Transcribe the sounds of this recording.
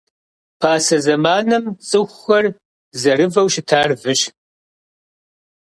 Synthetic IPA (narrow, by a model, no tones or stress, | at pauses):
pʰaːsɐzɐmaːnɐmt͡sʼɨxʷxɐr | zɐrɨvɐwʃɪtʰaːrvɨɕ